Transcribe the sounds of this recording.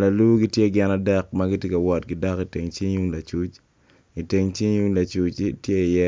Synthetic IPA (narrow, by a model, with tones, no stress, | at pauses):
la˨lu˦ɡɪ˦tje˦ɡɪ˦na˦dɛ˦k̚maɡɪ˦tje˦ka˨wɔ˦t̚ɡɪda˦ki˨te˨ŋt͡ʃi˦ɲu˦ŋla˨t͡ʃu˦t͡ʃ | i˨te˨ŋt͡ʃi˦ɲu˦ŋla˨t͡ʃu˦t͡ʃtje˦˨jɛ˦